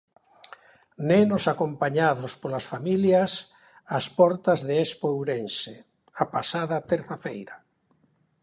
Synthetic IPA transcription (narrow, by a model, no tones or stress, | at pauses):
nenosakompaɲaðospolasfamiljas | aspɔɾt̪azðeespowɾense | apasaðat̪eɾθafejɾa